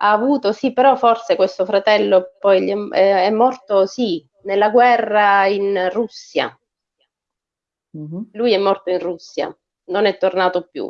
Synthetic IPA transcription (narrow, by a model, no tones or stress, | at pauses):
aːvuːt̪osipːeɾɔfːorsekwest̪ofɾat̪ɛlːopɔjʎiɛɛɛmːɔrt̪osi | nelːaɡwɛrːainrusːja̰ | lujɛmːɔrt̪oinrusːja̰ | nonɛt̪ːornaːt̪opːjṵ